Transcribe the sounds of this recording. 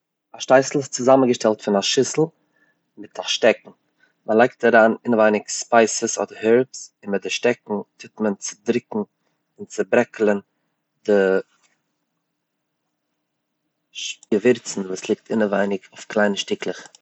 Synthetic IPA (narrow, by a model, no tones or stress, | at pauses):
aʃtaɪsl̩ˠɪst͡sʊzamənɡəʃtɛlˠtfɪnaʃɪsl̩ˠ | mɪtaʃtɛkŋ̩ | malˠaɪk̚taɾaːnɪnəvaɪnɪkspaɪsəsɔ̰dəɾhɛɾpsɪnmɪt̚dɪʃtɛk̚ŋ̩tʰɪtmənt͡sɪ̥dɾɪkŋ̩ | ɪnt͡sɪbɾɛklˠən | dɪ | ʃɡəvɪɾt͡sn̩vuːslˠɪk̚tʰɪnəvaɪnɪkʰʊʊfklˠaɪnəʃtɪklˠəχ